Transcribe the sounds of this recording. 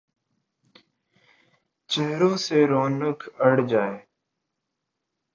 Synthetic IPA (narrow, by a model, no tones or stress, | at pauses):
t͡ʃeɦɾõːseːɾoːnəkʰəɽ̤d͡ʒaːeː